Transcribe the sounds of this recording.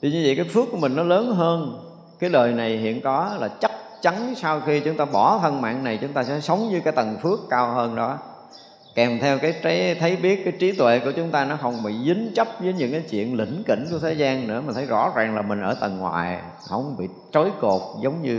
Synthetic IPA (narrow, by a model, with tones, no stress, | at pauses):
t̪ʰi˧ɲɨ˧vḭ˧˨kaː˨˦jfɨ˦˥ək̚ːu˧˩əmï˨˩ŋ̟nɔ˨˦ləː˨˦nɦəː˧n | kaː˨˦jləː˨˩jna˨˩jɦḭ˧˨ənkɔ˨˦laː˨˩t͡ɕa˦˥k̚t͡ɕa˨˦nsa˧wxi˧t͡ɕʊ˨˦ŋ͡mt̪aː˧ɓɔ˧˩t̪ʰə˧nma̰ː˧˨ŋna˨˩jt͡ɕʊ˨˦ŋ͡mt̪aː˧sɛ̰˧˥sə˨˦wŋ͡mɲɨ˨˦kaː˨˦jt̪ə˨˩nfɨ˦˥əkːaː˧wɦəː˧nɗɔ˨˦ | kɛ˨˩mt̪ʰɛ˧wkaː˨˦jt͡ɕa˨˦jt̪ʰə˨˦jɓi˦˥ət̚kːaː˨˦jt͡ɕi˨˦t̪wḛ˧˨ku˧˩ət͡ɕʊ˨˦ŋ͡mt̪aː˧nɔ˨˦xə˧wŋ͡mɓḭ˧˨zi˨˦ŋ̟t͡ɕə˦˥p̚vəː˨˦jɲɨ̰˧˥ŋkaː˨˦jt͡ɕwḭ˧˨ənlḭ̈˧˩ŋ̟kḭ˧˩ŋ̟ku˧˩ət̪ʰe˨˦jzaː˧nnɨ̰˧˥əmi̟˨˩t̪ʰə˨˦jzɔ̰˧˥zaː˨˩ŋlaː˨˩mï˨˩ŋ̟ʔəː˧˩t̪ə˨˩nŋwa̰ː˨˩j | hə̰˧˩wŋ͡mɓḭ˧˨t͡ɕo˨˦jko˨˩t̚zə˨˦wŋ͡mɲɨ˧